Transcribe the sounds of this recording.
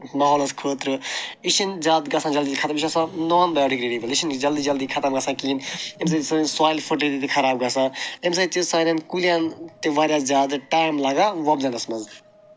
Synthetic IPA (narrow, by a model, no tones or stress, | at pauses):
maɦɔːlɐskʰoːt̪ɾɨiʃinzaːd̪ɡɐsãd͡ʒɐld̪ikʰɐt̪ɐmiʃasãnɔːnbɐjoːɖikɾeːɖibɐliʃind͡ʒɐld̪id͡ʒɐld̪ikʰɐt̪ɐmɡɐsãkiːnems̬ɐsɐinswaːjlfʰoʈlit̪it̪ikʰɐɾaːb̚ɡɐsãems̬at̪isãːnɐnkulijaːnt̪eʋaːɾjaːzʲaːd̪ʈaːjmlaɡaʋɐbzɐnɐsmɐz